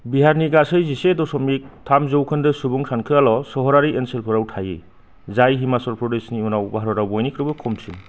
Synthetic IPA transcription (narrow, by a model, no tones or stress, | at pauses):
biɦaɾniɡasɯjzisedɔsɔmik̚tʰamzɔwkʰɯndɯsubuŋsʰankʰɯalɔsɔɦɔɾaɾienselpʰɔɾawtʰajḛ | zajɦimasɔɾpʰɾɔdesniunawbaɦaɾɔɾawbɔjnikʰɾɯbɯkʰɔmsin